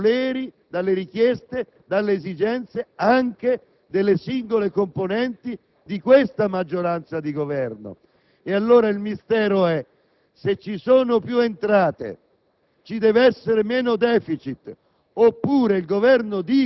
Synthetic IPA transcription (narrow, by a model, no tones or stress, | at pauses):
lɛːɾi | d̪alːeɾik̟jɛst̪e | d̪alːeːzid͡ʒɛnt̪seaŋk̟e | d̪elːesiŋɡolekomponɛnt̪i | d̪ikwest̪amad͡ʒːoɾant̪sad̪iɡovɛrno̰ | ealːoːɾailmist̪ɛːɾoɛ | set͡ʃːisoːnopjuent̪ɾaːt̪ḛ | t͡ʃid̪ɛːveɛsːeɾemɛːnod̪ɛːfit͡ʃit̪ | opːuːɾeilɡovɛrnod̪i